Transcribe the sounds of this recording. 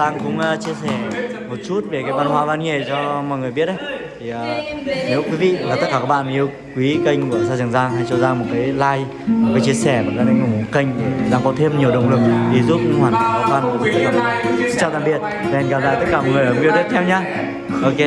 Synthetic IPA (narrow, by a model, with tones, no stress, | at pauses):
aː˧ŋkʊ̰˧˥ŋ͡mt͡ɕi˧əsɛ˧˩mo˨˩t̚t͡ɕu˦˥t̚ve˨˩kaː˨˦jvaː˧nhwaː˧vaː˧nŋe˨˩t͡ɕɔ˧mɔ̰˧˨jŋɨ˨˩əjɓi˦˥ət̚ʔə˨˦jt̪ʰi˨˩ʔəː˨˩ | ne˨˦wkwi˨˦vḭ˧˨laː˨˩t̪ə˦˥t̚kaː˧˩kaː˦˥k̚ɓa̰ː˧˨nʔi˧əw | kwi˨˦kə˧jŋku˧˩˨əsaː˧zɨ˨˩ŋzaː˧ŋha˧jt͡ɕɔ˧zaː˧mo˨˩t̚kaː˨˦jlaː˧j | mo˨˩t̚kaː˨˦jt͡ɕi˧əsɛ˧˩maː˨˩kaː˨˥na˨˧jŋʊ˨˧˩ŋ͡mkə˧jŋ̟˨˩˨ɗa̰ː˧ŋkɔ˨˦t̪ʰe˧mɲi˨˩əwɗə̰˨˧˨ŋ͡mlɨ̰˨˩ŋ̚ɗi˨˩zu˦˥p̚ŋhwaː˨˩nt̪aː˨˦vaː˧nku˨˩ka˨˦t̪ʰːa̰ː˨˩ɓḭ˨˩˨sɨ˧ŋt͡ɕaː˨˧˩t̪aː˧˨mɓi˨˩ət̚ | vnɣa˨˩p̚zaː˧˨jt̪ə˦˥t̚kaː˧˩mɔ̰˨ŋɨ˨˩əjmi˧ət̪i˦˥t̚t̪ʰɛ˧wɲaː˧ | ʔo˧ke˧˦